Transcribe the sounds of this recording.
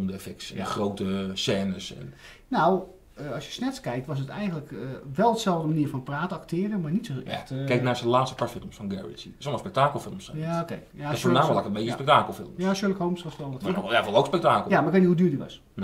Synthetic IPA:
mndɛfɛk̚tsɛnəχrowtəsɛːnəsɛ̰n | naw | əɑsjəsnɛtskɛjk̚tʋɑsətɛ̰jɣənləkəʋɛlˠdəsɛlˠvdəmaniəɹfɑnpraːtəɑktʰɪːrəmaːɹnitsoɛ̰xtkɛjknaːɹsəlaːtstə̥patfɪlˠmsfɑnɡɛ̰ɹḭts | sɔlmɔspɛk̚taːkəl̩ˠfɪlˠmsɛjaokejafonaːmlakəmejəspɛk̚taːkəl̩ˠfɪlˠmjaʃøɹləkɦowmsʋɔstʋɛlˠəjavɔlˠowkspɛk̚taːkəlˠjamaɪkʋejtnihudyːɹditʋɑ̰s | n

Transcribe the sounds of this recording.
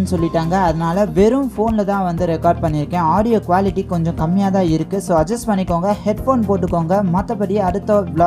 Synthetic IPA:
nːɯsɔlːɪʈːaːŋɡɐɐðɐnaːlɐʋɛɾɯ̃mfoːnlɐt̪ãːʋɐnd̪ɯɾɛkaːɾɖ̚pɐɳːɪɾɯkːẽːaːɽɪjoːkʋaːlɪʈːikːɔɲd͡ʒɔ̃kɐmːɪjaːt̪ãːɪɾɯkːɯsoːɐd͡ʒɐsʈpɐɳːɪkːoːŋɡɐhɛɖfoːnpoːʈːɯkːoːŋɡɐmɐt̪ːɐpːɐɽɪjɐɐɽɯt̪ːɐ̃bla

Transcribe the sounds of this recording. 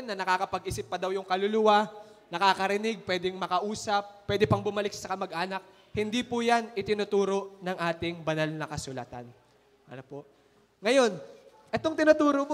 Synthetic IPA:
nːɐnɐkaːkɐpɐɡ̚ʔisɪpːɐd̪ɐwjʊŋkɐlʊlʊwa | nɐkaːkɐɾɪnɪɡ̚pwɛd̪ɛŋmɐkɐʔuːsɐpːwɛːd̪ɛpɐŋbʊmɐlɪk̚sɐkɐmɐɡʔaːnɐk̚ | hɪnd̪ipʊjanʔɪt̪ɪnut̪uːɾo̞ʔnɐŋʔaːt̪ɪŋbɐnalnɐkɐsʊla̰t̪a̰n | ʔɐnopoʔ | ŋɐjo̞n | ʔɛt̪o̞ŋt̪ɪnʊt̪uːɾom

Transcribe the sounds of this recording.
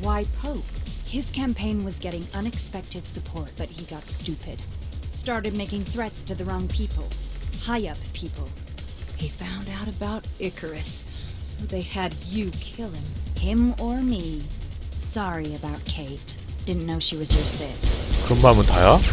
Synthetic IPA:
waɪpʰoʊphɪz̥kʰæ̃mpʰẽɪ̃nwʌzɡɛɾɪ̃ŋʌ̃nɨkspɛk̚tɨd̥sɨpʰɔɹt̚b̥ʌt̚hiɡɑtstʉpʰɨd̥stɑɹɾɨd̚meɪkɪ̃ŋθɹɛtstʰɨðɨɹɔ̃ŋpʰipʰl̩ˠhaɪʌppʰipʰl̩ˠ | hifãʊ̃ndaʊɾɨbaʊɾɪkʰə˞ɨs | soʊðeɪɨdjɨkʰɪlˠɪ̃mɪ̃mə˞mi | sɑɹiɨbaʊt̚kʰeɪt | d̥ɪdⁿn̩nːoʊʃiwʌz̥ə˞sɪskʰɹʌmbamət̪ʰa̰jɑ

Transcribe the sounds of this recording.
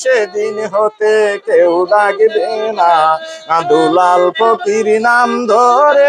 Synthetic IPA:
ed̪inɦot̪ekewɖaɡbenaad̪ulalpɔkiɾinamd̪ʱɔɾe

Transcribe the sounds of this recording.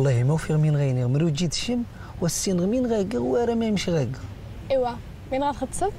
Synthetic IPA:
lˤːɑhimæwfiɣminɣæjniɣmɾud͡ʒit̪ʃəm | wæsːinɣminɣæɡəwæɾæmæjmʃiɣæɡə | iwæ | minɣalxəd̪sə

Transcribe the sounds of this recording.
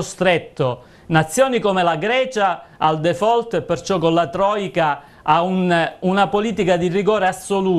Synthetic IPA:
st̪ɾet̪ːo | nat̪sːjoːnikomelaɡɾɛːt͡ʃaːld̪efɔlt̪epːert͡ʃɔkːonlat̪ɾɔːjka | aununapoliːt̪ikad̪iriɡoːɾeasːoluː

